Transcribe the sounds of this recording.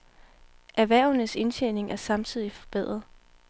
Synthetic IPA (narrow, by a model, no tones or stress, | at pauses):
ʔæʋæɐ̰nəse̝nɕʰene̝ŋæɐsɑ̈mt͡sʰið̞̰ˠifɒ̽b̥e̝ð̞̰ˠʁɐðˠ